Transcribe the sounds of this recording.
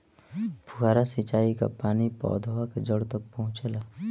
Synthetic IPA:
pʰuɡaːɾasit͡ʃaːika̰paːnipɔ̰ːd̪ʱowaked͡ʒəɽt̪ək̚pəɦʊ̃t͡ʃela

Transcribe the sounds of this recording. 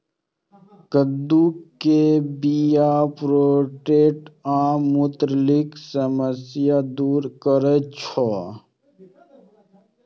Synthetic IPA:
kəd̪uːkːebijapɾoːʈeːʈãːmut̪ɾliksəməsjad̪uːɾkəɾət͡ʃʰɔ

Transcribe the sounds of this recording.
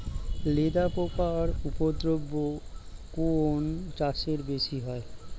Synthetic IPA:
led̪apokaɾupod̪ɾobːokont͡ɕaʃeɾbeʃiɦɔe

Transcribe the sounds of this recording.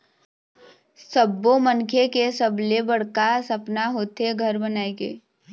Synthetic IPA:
səbːomənkʰekesəblebəɽ̤kasəpnaɦoːt̪eɡʱəɾbənaːeɡḛː

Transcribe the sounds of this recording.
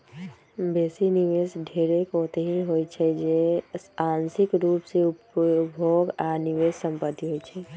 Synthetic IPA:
besiniʋesɖʱeɾekot̪eɦiɦojt͡ʃʰɛd͡ʒesansikɾupseupbʱoɡaniʋessəmpət̪ːiɦojt͡ʃʰɛ

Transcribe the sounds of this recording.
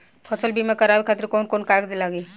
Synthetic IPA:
pʰɔsəlbʱimẽkɐɾaːwikʰaːt̪ɪɾkoːnkoːnkaːkd̪elaːɡiː

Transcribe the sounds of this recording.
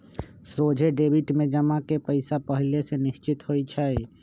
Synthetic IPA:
sod͡ʒʱeɖebʱiʈmed͡ʒəmakepəɪsapəɦilesenist͡ʃit̪ɦojt͡ʃʰɛj

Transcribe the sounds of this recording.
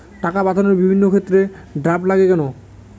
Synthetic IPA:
ʈakabad̪ʱoneɾbibʱinːokʰet̪ːɾe | ɖɾaplaɡekɛno

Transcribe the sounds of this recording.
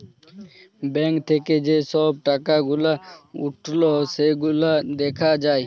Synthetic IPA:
bɛ̃ŋkt̪ʰeked͡ʒesɔːb̚ʈakaɡʊlaʊʈʰloseɡʊlad̪ekʰad͡ʒaːe

